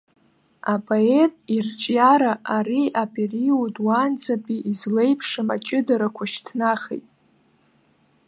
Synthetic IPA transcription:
apʼoe̞tʼirt͡ʃʼjaɾaʔaɾiʔapʼiriodwant͡sapʼiʔizle̞jpʰʂɨmat͡ʃʼɪdaɾakʷʰaʃtʰnaχḛjtʼ

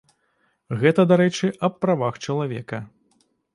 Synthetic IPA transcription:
ɣɛt̪ɐd̪aɾɛt͡ʂɨʔɐpːɾavaxt͡ʂɐlˠavʲɛkɐ

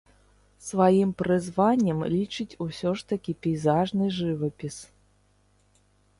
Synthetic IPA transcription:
svajimpɾɨzvanʲːɐmlʲit͡ʂɨt͡sʲusʲɔʂt̪ɐkʲipʲijzaʐnɨʐɨvɐpʲis

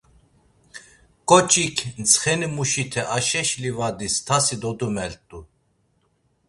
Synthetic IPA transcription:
kʼɔt͡ʃʼikʰnt͡sʰχɛnimuʃit̪ʰɛʔaʃɛʃlivad̪ist̪ʰasid̪ɔd̪umɛlt̪ʼu

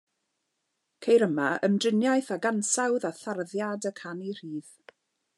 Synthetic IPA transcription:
kʰejɾəmaəmdrɪnjajθaɡansawðaθarðjadəkʰanir̥iːð̥

